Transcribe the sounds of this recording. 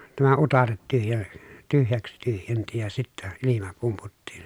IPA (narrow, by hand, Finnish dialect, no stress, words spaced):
tæmæ utɑret tyhjæ tyhjæks tyhjenti jɑ sitːæ ilimɑ pumputːiːn